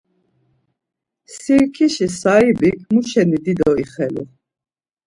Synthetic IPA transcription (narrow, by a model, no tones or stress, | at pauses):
siɾkʰiʃisaibikʰmuʃɛnid̪id̪ɔiχɛlṵ